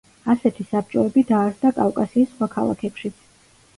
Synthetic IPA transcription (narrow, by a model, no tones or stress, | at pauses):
asɛt̪ʰisap̚t͡ʃʼɔɛbid̪aːɾsd̪akʼavkʼasiːsːχwakʰalˠa̰kʰɛpʃit̪sʰ